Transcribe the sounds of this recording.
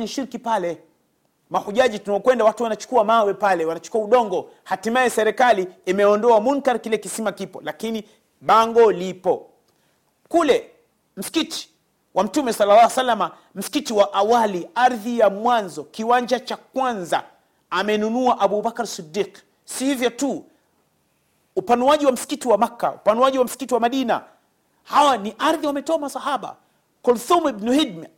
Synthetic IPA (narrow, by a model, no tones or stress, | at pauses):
ɲiʃiɾkipalɛ | mahuʄaʄitunaɔkwɛndawatuwanat͡ʃu̥kuamawɛpalɛwanat͡ʃu̥kuauɗɔŋɡɔ | hatimaɛsɛɾɛkaliːmɛɔndɔamunkaɾkilɛkisimakipɔlakini | ɓaŋɡɔlipɔ | kulɛ | m̩si̥kiti̥ | wʔam̩tumɛsalːalːaasalːama | m̩si̥kitiwaʔawaliaɾðijamwanzɔkiwand͡ʒat͡ʃakwanza̰ | amɛnunuaʔaɓubakaɾsidːiːq | sihivjɔtu | upanuwaʄiwam̩si̥kitiwamakːa̰upanuaʄiwam̩si̥kitiwamaɗina̰ | hawaniʔaɾðiwamɛtɔamasahaɓa̰ | kɔlθumibnuhid̚mɛ